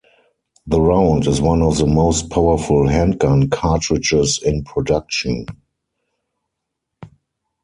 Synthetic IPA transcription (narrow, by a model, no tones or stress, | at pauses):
ðəɹãʊ̃ndɪzwãnɔfðəmoʊst̚pʰaʊə˞fʊlɦæ̃ntɡãnkʰatɹɪd͡ʒɪsɪ̃npʰɹɔdak̚ʃə̃n